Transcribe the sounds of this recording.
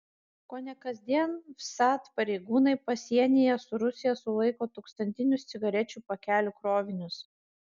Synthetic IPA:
koːnʲɛkɐzʲd̪ʲiɛnfsɑːt̪pɐɾʲɛɪɡuːnɐɪpɐsʲiɛnʲɪjɛsʊɾʊsʲɪjɛsʊlˠɐɪkoːt̪oːkst̪ɐnʲt̪ʲɪnʲʊst̪sʲɪɡɐɾʲɛt͡ʃʲuːpɐkʲæːlʲʊkɾoːʋʲɪnʲʊs

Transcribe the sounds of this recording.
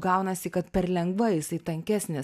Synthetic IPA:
ɡɐʊnɐsʲɪkɐt̪pʲɛɾlʲɛŋɡʋɐjɪsɐɪt̪ɐŋʲkʲæsʲnʲɪ

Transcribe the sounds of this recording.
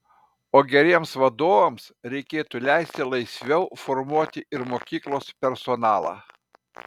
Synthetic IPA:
oːɡʲɛɾʲiɛmsʋɐd̪oːʋɐmsɾʲɛɪkʲeːt̪ulʲæˑɪsʲt̪ʲɪlˠɐɪsʲʋʲɛʊfɔɾmuɔt̪ʲɪʔɪɾmoːkʲiːklˠoːspʲɛɾsɔnɑːlˠɑ̰ː

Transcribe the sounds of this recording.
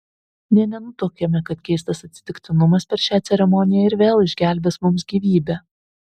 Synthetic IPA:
nʲɛnʲɛnʊt̪oːkʲemʲɛkɐt̪kʲɛɪst̪ɐsɐt̪ʲsʲɪ̥t̪ʲɪkt̪ʲɪnʊmɐspʲɛɾʃʲæːt̪sʲɛɾʲɛmɔnʲɪjɛɪɾʋʲeːlˠɪʒʲɡʲæˑlʲbʲɛsmʊmsɡʲiːʋʲiːbʲæː

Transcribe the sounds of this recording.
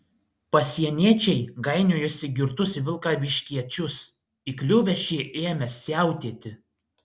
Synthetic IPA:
pɐsʲiɛnʲeːt͡ʃʲɛɪɡɐɪnʲoːjʊsʲɪɡʲɪɾt̪ʊsʋʲɪlˠkɑːʋʲɪʃʲkʲiɛt͡ʃʲʊs | iklʲuːʋʲɛʃʲiːʔeːmʲɛsʲæˑʊt̪ʲeːt̪ʲɪ

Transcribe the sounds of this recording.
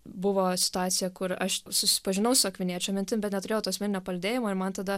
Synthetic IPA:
bʊʋoːsʲɪ̥t̪ʊɑːt̪sʲɪjɛkʊɾɐʃsʊsʲɪ̥pɐʒʲɪnɐʊsʊɐkʋʲɪnʲiːɛt͡ʃʲɛmʲɪnʲt̪ʲɪmbʲɛt̪nʲɛt̪ʊɾʲeːjoːt̪oːɐsmʲɛnʲɪnʲoːpɐlʲɐd̪ʲeːjɪmoːɪɾmɐnt̪ɐd̪ɐ

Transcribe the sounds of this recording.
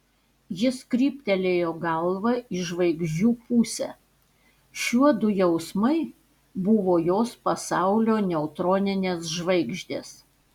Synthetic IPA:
jɪskɾʲiːpʲt̪ʲɛlʲeːjoːɡɐlˠʋɐɪʒʋɐɪɡʒʲd͡ʒʲuːpuːsʲɛ̰ | ʃʲuɔd̪ʊjɛʊsmɐɪ | bʊʋoːjoːspɐsɑˑʊlʲoːnʲɛʊt̪ɾoːnʲɪnʲeːsʒʋɐɪɡʒʲd̪ʲeːs

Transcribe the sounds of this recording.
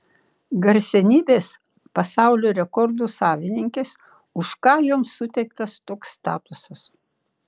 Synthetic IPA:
ɡɐɾʲsʲɛnʲiːbʲeːs | pɐsɑˑʊlʲoːɾʲɛkɔɾd̪usɑːʋʲɪnʲɪŋʲkʲeːs | ʊʃkɑːjomsʊt̪ʲɛɪkt̪ɐst̪oːksːt̪ɑ̰ːt̪ʊsɐs

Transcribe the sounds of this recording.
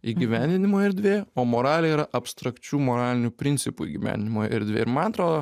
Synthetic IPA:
iːɡʲiʋʲænʲd̪ʲɪnʲɪmoːjɪɾd̪ʲʋʲeːoːmoːɾɑːlʲɪjɛiːɾɐʔɐpst̪ɾɐkt͡ʃʲuːmoːɾɑːlʲɪnʲuːpʲɾʲɪnʲsʲɪpuḭɡʲiʋʲæ̰nʲd̪ʲɪnʲɪmoːɪ̰ɾd̪ʲʋʲḛːɪɾmɐnɐt̪ɾoːd̪oː

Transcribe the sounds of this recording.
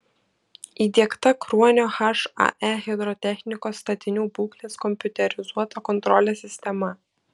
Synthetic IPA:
iːd̪ʲiɛkt̪ɐkɾuɔnʲoːxɐʃɑ̰ʔɛɣʲɛd̪ɾɔt̪ʲɛxʲnʲɪkoːsːt̪ɐt̪ʲɪnʲuːbuːklʲeːskɔmʲpʲʊt̪ʲɛɾʲɪzuɔt̪ɐkɔnt̪ɾɔlʲesʲɪsʲt̪ʲɛmɐ

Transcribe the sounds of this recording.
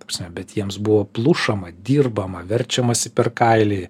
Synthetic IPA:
t̪opsʲnʲɛbʲɛt̪jiɛmsbʊʋoːplˠuʃɐmɐd̪ʲiːrbɐmɐʋʲɛɾʲt͡ʃʲɛmɐsʲɪpʲɛrkɐɪlʲɪ

